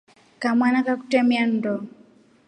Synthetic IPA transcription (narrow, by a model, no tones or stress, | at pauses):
kamwanakaku̥tɛmian̩dɔ